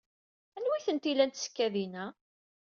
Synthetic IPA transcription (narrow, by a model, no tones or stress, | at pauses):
ænwiθənt̪ilænt̪sə̥kːæðinæ